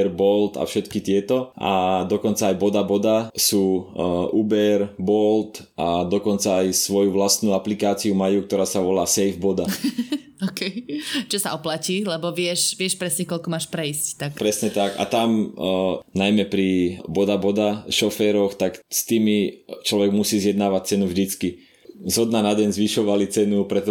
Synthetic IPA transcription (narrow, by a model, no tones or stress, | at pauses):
ɾbɔlt̪a̰fʃɛt̪kit̪ɪɛt̪ɔʔa̰d̪ɔkɔnt͡saːjbɔd̪abɔd̪asuːʔubɛɾbɔlt̪ | ad̪ɔkɔnt͡saːjsʋɔjuʋlast̪nuːaplikaːt͡siumajuːkt̪ɔɾaːsaʋɔlaːsɛjvbɔd̪a | ɔkɛjt͡ʃɔsaɔplaciːlɛbɔʋɪɛʃʋɪɛʃpɾɛsɲɛkɔʎkɔmaːʃpɾɛisct̪akpɾɛsɲɛt̪aka̰t̪am | najmɛpɾibɔd̪abɔd̪aʃɔfɛːɾɔxt̪akst̪iːmit͡ʃlɔʋɛɡmusiːzjɛd̪naːʋac̚t͡sɛnuvʒd̪it͡ski | zɦɔd̪nanaɟɛɲzʋiʃɔʋalit͡sɛnupɾɛt̪ɔ